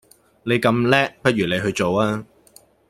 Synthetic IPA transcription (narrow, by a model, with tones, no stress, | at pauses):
ne˨˧jkɐ˧mlɛː˥k̚pɐ˥t̚jyː˨˩ne˨˧jɦɵ˧ɥt͡so˨waː˥